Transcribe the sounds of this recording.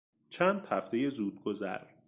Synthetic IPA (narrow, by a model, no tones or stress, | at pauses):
t͡ʃʰæːnd̪̥hæft̪ejezuːd̪̚ɡozæ̰ɾ